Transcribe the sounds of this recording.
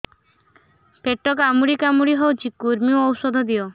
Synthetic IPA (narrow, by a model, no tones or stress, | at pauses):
peʈːɔkamuɽikamuɽiɦewt͡ʃikuɾmioɔwsɔd̪ʱɔd̪io